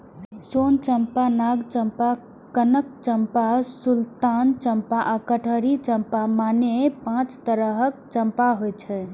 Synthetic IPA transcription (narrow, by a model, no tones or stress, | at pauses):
sont͡ʃəmpanaɡt͡ʃəmpa | kənək̚t͡ʃəmpasult̪ant͡ʃəmpaʔakəʈʰəɾit͡ʃəmpamanepãt͡ʃt̪əɾəɦək̚t͡ʃəmpaɦojt͡ʃʰɛ